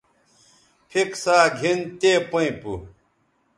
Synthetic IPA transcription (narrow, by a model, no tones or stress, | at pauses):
pʰiksaːɡʱint̪eːpɐĩpu